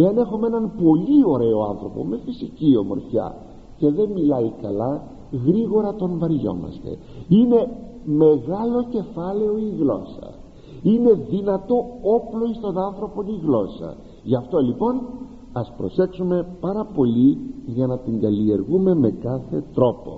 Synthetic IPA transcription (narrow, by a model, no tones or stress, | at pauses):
eɐne̞xumeenɐnpo̞lio̞ɾe̞o̞ɐ̰nθɾo̞po̞̰me̞fisicio̞mo̞̰ɾçɐ̰ | ce̞ðe̞nmilɐikɐlɐ | ɣɾiɣo̞ɾɐt̪o̞ɱvɐɾʝo̞̰mɐ̰st̪e̞̰ | ine̞ | me̞ɣɐlo̞ce̞fɐle̞o̞iɣlo̞̰sɐ̰ | ine̞ðinɐt̪o̞oplo̞ist̪o̞nɐnθɾo̞po̞niɣlo̞sɐ̰ | ʝɐft̪o̞lipo̞n | ɐspɾo̞se̞ksume̞pɐɾɐpo̞liʝɐnɐt̪iŋɡɐlie̞ɾɣume̞me̞kɐθe̞̰t̪ɾo̞po̞̰